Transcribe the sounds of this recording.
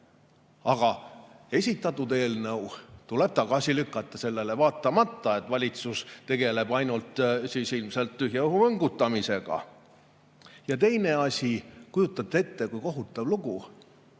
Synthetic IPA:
ɑɡ̥ɑe̞sʲit̪ːˑɑt̪ːut̪e̞ːlnɤwt̪ule̞b̥̚t̪ɑɡ̥ɑsʲilykˑːɑt̪ːˑɑse̞lːe̞levɑːt̪ːˑɑmɑt̪ːɑe̞t̪ːˑvɑlʲit̪sust̪e̞ɡ̥e̞le̞b̥ɑjnult̪siːsilmse̞lt̪ːyɦjɑohuvɤŋɡut̪ːˑɑmise̞ɡ̥ɑ̰ | jɑt̪e̞jne̞ɑsʲikujut̪ːˑɑb̚t̪ːe̞t̪ːe̞kujko̞ɦut̪ːˑɑvluɡu

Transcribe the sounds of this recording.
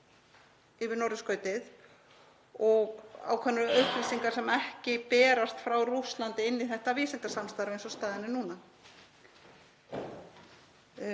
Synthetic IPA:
ɪvɪɾnɔwɾɪskœːɥt̪ɪð | ɔɣa̰wkʰɛnʏɾœhplisiŋkaɾ̥sɛmɛhcɪpɛːɾast̪fɾawruslant̪ɪɪnːɪθɛht̪aviːsɛnt̪asamst̪aɾvejnsɔst̪aːðɪnɪnuːna

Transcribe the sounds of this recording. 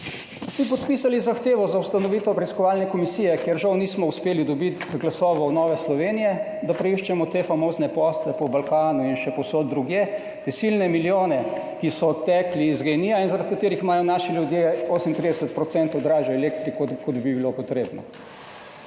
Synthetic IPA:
sip̬ɔt̪pisalizaxt̪eːʋɔzawst̪anɔʋiːt̪ɔpɾɛiskɔʋaːlnɛkɔmisiːjɛkjeɾʒawniːsmɔuspeːlid̪ɔbit̪ɡlasɔːʋɔwnɔːʋɛslɔʋeːnijɛ | d̪apɾɛiʃt͡ʃɛmɔt̪efamoːznɛpɔslɛpɔbalkaːnuinʃɛpɔwsod̪̚ːɾuɡjeː | t̪esilnɛmiljoːnɛkisɔːt̪ːɛkliːzɡɛjniːjainzaɾat̪kat̪eːɾixmaːjɔnaːʃiljud̪jeoːsmint̪ɾid̪ɛsət̪pɾɔt̪sɛnt̪ɔd̪ɾaːʒaɛlek̚t̪ɾikokɔd̪bibilopɔt̪ɾeːbnɔ̰

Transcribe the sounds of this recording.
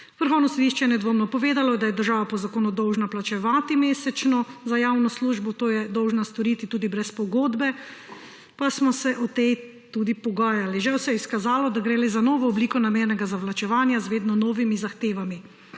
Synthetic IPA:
ʋəɾxɔwnɔsɔd̪iʃt͡ʃɛjɛnɛd̪ʋoːmnɔpɔʋeːd̪alɔd̪ajɛd̪əɾʒaːʋapɔzakoːnud̪ɔwʒnaplat͡ʃɛʋaːt̪imeːsɛt͡ʃnɔzajaːwnɔsluːʒbɔt̪oːjɛd̪ɔwʒnast̪ɔɾiːt̪it̪uːd̪ibɾɛspɔɡoːd̪bɛ | pasmɔsɛʔɔt̪ej | t̪uːd̪ipɔɡaːjaliʒɛwsɛjɛiskazaːlɔd̪aɡɾelezanɔːʋɔːbliːkɔnameːɾnɛɡazaʋlat͡ʃɛʋaːnjazʋeːd̪nɔnɔːʋimizaxt̪eːʋami

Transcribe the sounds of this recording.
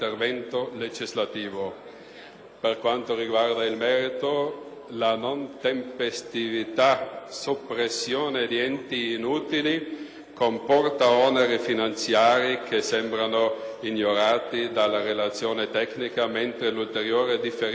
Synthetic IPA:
t̪ervɛnt̪oled͡ʒizlat̪iːvo | perkwant̪oriɡward̪ailmɛːɾit̪o | lanont̪empest̪ivit̪asopːɾesːjoːned̪iɛnt̪iːnuːt̪ili | kompɔrt̪aɔneɾifinant̪sjaːɾikʰesɛmbɾanoiɲoɾaːt̪id̪alːarelat̪sːjoːnet̪ɛknikament̪ɾelult̪eɾjoːɾed̪ife

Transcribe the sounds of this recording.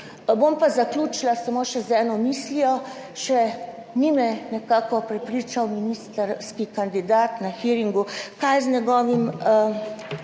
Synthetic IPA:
bompazaklʲuːt͡ʃlasamoːʃɛzɛːnɔmiːslijɔ | ʃɛ | nimɛnɛkaːkɔpɾɛpɾit͡ʃawminist̪ɾskikand̪id̪aːt̪naxiɾiŋɡukajznʲɛɡɔːʋim

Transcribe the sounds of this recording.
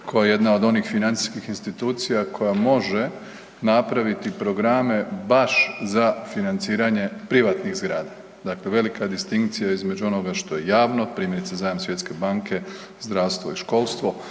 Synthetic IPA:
kʰojajeje̞d̪nao̞d̪o̞nixfinant̪i̥skixinst̪it̪uːt̪sijakʰo̞jamo̞ʒe̞ | napɾaʋit̪ipɾo̞ɡɾame̞baʃzafinant̪siːɾaɲe̞pɾiʋat̪niɣzɡɾaːd̪a | d̪akle̞ʋe̞likad̪ist̪iŋkt̪sijaizme̞d͡ʑuo̞no̞ɡaʃt̪o̞je̞jaːʋno̞pɾiːmje̞ɾit̪sezaːjamsʋjet̪ke̞baŋkʰe̞ | zd̪ɾawst̪ʋo̞iʃko̞lˠst̪ʋo̞

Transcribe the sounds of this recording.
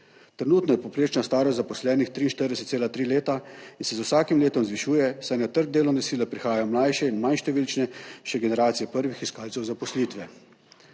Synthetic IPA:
t̪ɾɛnuːt̪nɔjɛpowpɾeːt͡ʃnast̪aːɾɔzapɔslɛːnixt̪ɾiːnʃt̪əɾd̪ɛsɛt̪seːlat̪ɾiːleːt̪ainsɛzwsaːkimleːt̪ɔmzʋiʃuːjɛsajnat̪əɾɡ̚d̪eːlɔnɛsiːlɛpɾixaːjajɔmlajʃɛinmanʃt̪ɛʋiːlt͡ʃnɛʃɛɡɛnɛɾaːt̪sijɛpəɾʋixiskaːlsɛwzapɔsliːt̪ʋɛ

